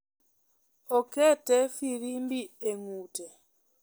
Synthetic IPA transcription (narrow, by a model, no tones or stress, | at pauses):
ɔkɛtɛfiɾimbieŋuːtɛ